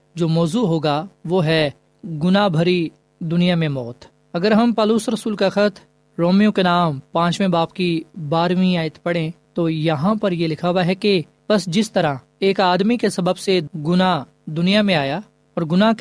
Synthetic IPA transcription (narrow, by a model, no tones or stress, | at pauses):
d͡ʒoːmɔːzuɦoːɡaʋoːɦɛ | ɡʊnabʱɐɾi | d̪ʊnijamẽmɔːt̪ | ɐɡəɾɦɐmpɔːluːsɾɐsuːlkaxət̪ʰ | ɾoːmijõkenaːmpãːt͡ʃmẽbaːpkibaːɾmĩaːɪət̪pɐɽẽt̪ojɐɦãpɐɾjelɪkʰaːwaɦɛke | b̥ɐsd͡ʒɪst̪ɐɾa | eːkaːd̪mikesɐbəbseɡʊna | d̪ʊnijamẽaːja | ɔːɾɡʊnak